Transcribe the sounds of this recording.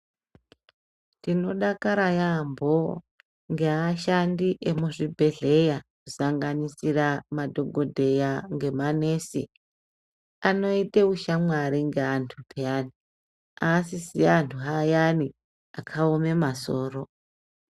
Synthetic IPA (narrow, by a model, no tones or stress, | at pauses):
tino̞ɗakaɾajambʱo̞ | ŋɡeaʃandiʔemuʐibʱe̞ɮe̞jakusaŋɡanisiramadʱo̞ɡʱo̞dʱe̞jaŋɡe̞manesḛ | ano̞iteuʃamwaɾiŋɡeantʰupʰeani | asisiantʰuɦajani | akʰaome̞maso̞ːro̞